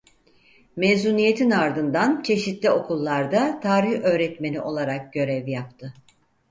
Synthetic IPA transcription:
mezuːnije̞t̪ʰinaɾd̪ɯnd̪ant͡ʃʰe̞ʃit̪lʲio̞kʰulˠːaɾd̪at̪ʰaːɾiçø̞ːɾɛt̪me̞niʔo̞lˠaɾak̚ɟø̞ɾɛvjap̚t̪ʰɯ

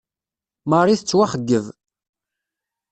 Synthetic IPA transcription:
mərˤiθət͡sːwaχəɡːəv

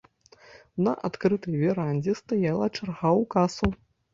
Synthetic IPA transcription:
nɐʔat̪kɾɨt̪ɐjvʲɛɾanʲd͡zʲɛst̪ajalˠɐt͡ʂarɣawkasu

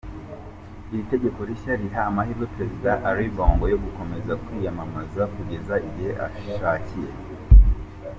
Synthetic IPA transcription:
iɾite̞ɟe̞ko̞ɾiʃaɾiɦaːmaɦiɾɡwepɾe̞zidaʔaɾiboːŋɡojo̞ɡuko̞me̞zakwijamamazakuɟe̞zaʔibiheʔa̰ʃiʃacije̞̰

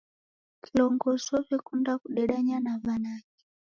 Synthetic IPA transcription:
kilɔŋɡɔsɔvɛkundakuɗɛɗaɲanavanaki̥

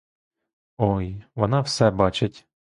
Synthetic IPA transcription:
ɔjʋɔnɑwsɛbɑt͡ʃetʲ

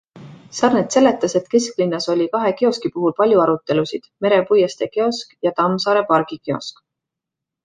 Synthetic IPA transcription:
sɑrnet̪se̞lːe̞t̪ːˑɑse̞t̪ke̞sklinːɑso̞lʲikɑɦe̞keo̞skipuɦulpɑlʲjuɑɾut̪ːˑe̞lusid̪̥me̞ɾe̞pujɑst̪e̞keo̞skjɑt̪ɑmsɑːɾe̞pɑɾɡ̥ikeo̰sk

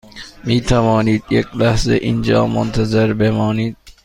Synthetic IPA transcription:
miːt̪ʰævɒːniːd̪jekʲlæhzḛʔind͡ʒɒ̰ːmo̰nt̪ʰæzeɾbemɒːniːd̪̥̚

